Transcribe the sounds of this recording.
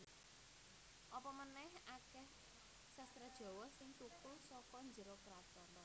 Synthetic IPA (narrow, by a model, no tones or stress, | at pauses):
ʔɔpɔmənɛhakɛh | sɛst̪ɾɛd̥ʒ̥ɔ̤wɔhsɪŋt̪ukʊlsɔkɔnd͡ʒəɾokɾat̪ɔnɔ